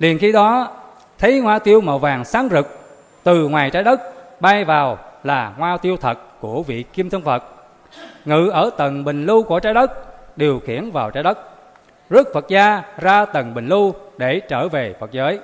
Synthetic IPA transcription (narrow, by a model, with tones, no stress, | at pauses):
li˨˩ənxi˧ɗɔ˨˦ | t̪ʰə˨˦jŋwaː˧t̪i˧əwma̰˧˨wvaː˨˩ŋsaː˨˦ŋzɨ˨˩k̚ | t̪ɨ˨˩ŋwaː˨˩jt͡ɕaː˨˦jɗə˦˥k̚ɓaː˧jvaː˨˩wlaː˨˩ŋwaː˧t̪i˧əwt̪ʰə˨˩t̚ku˧˩əvḭ˧˨ki˧mt̪ʰɨ˧ŋfə˨˩t̚ | ŋɨ̰˧˨ʔəː˧˩t̪ə˨˩nɓï˨˩ŋ̟lu˧ku˧˩ət͡ɕaː˨˦jɗə˦˥k̚ɗe˨˩əwxi˧˩ənvaː˨˩wt͡ɕaː˨˦jɗə˦˥k̚ | zɨ˦˥ək̚fə˨˩t̚zaː˧zaː˧t̪ə˨˩nɓï˨˩ŋ̟lu˧ɗe˧˩t͡ɕəː˧˩ve˨˩fə˨˩t̚zəː˨˦j